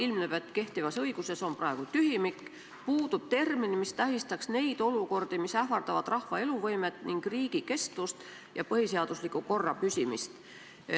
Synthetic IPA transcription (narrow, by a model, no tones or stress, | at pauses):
ilmnepet̪ːˑke̞ht̪ivɑsɤjɡ̥use̞so̞nprɑe̞ɡ̥ut̪yɦimikːˑ | puːd̪̥ub̥̚t̪e̞rminimist̪æɦist̪ɑksne̞jd̪̥o̞luko̞rd̪̥imisæhvɑrd̪̥ɑvɑd̪̥rɑhvɑe̞luvɤjmet̪ːˑniŋɡ̥riːɡ̥ike̞st̪vust̪ | jɑpɤhise̞ɑd̪̥uslikːˑuko̞rːɑpysʲimist̪